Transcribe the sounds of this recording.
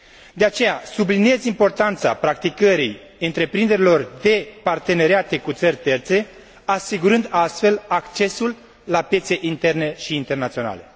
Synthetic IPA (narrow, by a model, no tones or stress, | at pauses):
d̪e̞at͡ʃe̞jasublinie̞zimpo̞rt̪ant̪sa̰pɾakt̪ikəɾij | ɨnt̪ɾe̞pɾind̪eɾilo̞rd̪e̞part̪e̞ne̞ɾiat̪e̞kut̪sərʲt̪e̞rt̪se̞ | asiɡuɾɨnd̪ast̪fe̞lakt͡ʃe̞sulː | apje̞t̪se̞ʔint̪e̞rne̞ʃiːnt̪e̞rnat̪sio̞na̰le̞